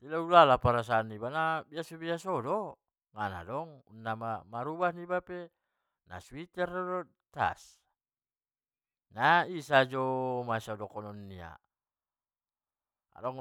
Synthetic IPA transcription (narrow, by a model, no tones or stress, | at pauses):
tilaulalapaɾas̬aːnːibanabiasobiasɔdɔ | ŋana̰dɔŋṵnːamamaɾubasnibape | na̰swit̪ɛrdɔdɔ | t̪a̰s | naisad͡ʒɔmasɔdɔkɔnɔnːia̰ | dɔŋ